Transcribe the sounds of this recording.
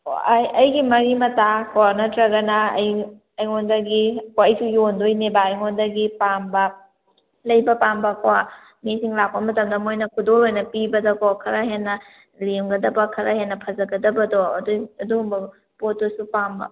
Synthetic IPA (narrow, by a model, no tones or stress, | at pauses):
jɐjɡimɐɾimɐtakwaɾnɐtɾɐɡɐnɐɐ̰j | ɐjŋondɐɡikwaɐjsujondojnebaːjŋondɐɡipambɐ | lɐjbɐpambɐkwa | misiŋlak̚pɐmɐtɐmdɐmojnɐkʰudoɾojnɐpibɐdɐkɔkʰɐɾɐɦenːɐ | lemɡɐdɐbɐkʰɐɾɐhenːɐpʰɐzɐɡɐdɐbɐdoɐ̰doɐduɡumbɐ | potːosupambɐ̰